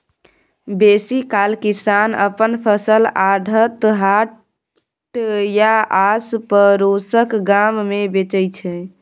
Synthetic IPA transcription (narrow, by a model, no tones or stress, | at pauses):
besikalkisanə̰pənpʰəsəlaɖʱət̪ɦa | ʈjaaspəɾosəkɡammebet͡ʃəjt͡ʃʰɛ